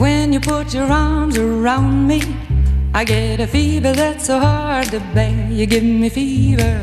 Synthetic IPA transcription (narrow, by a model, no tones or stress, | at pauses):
wɨ̃njɨpʰʊt͡ʃə˞ɑɹmzə˞ãʊ̃nmi | aɪɡɛɾɨfivə˞ðætsoʊhɑd̚tɨbejɨɡɪvŋmifivə˞